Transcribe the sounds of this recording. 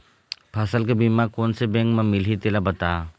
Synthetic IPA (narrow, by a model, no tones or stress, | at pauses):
pʰasəlkebimakonsebɛ̃ŋkmemilɦit̪elabət̪a